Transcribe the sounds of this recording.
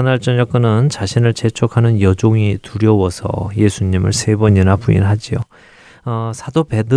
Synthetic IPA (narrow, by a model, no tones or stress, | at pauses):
ɯnaɭt͡ɕ͈ʌɲʌk͈̚ɯnɯnt͡ɕaɕʰinɯɭt͡ɕe̞t͡ɕʰokʰanɯnjʌd͡ʑoŋituɾjʌwʌsʰʌ̰je̞sʰuɲimɯ̰ɭsʰe̞bʌninapuḭnɦad͡ʑio | ʌsʰadobe̞dɯ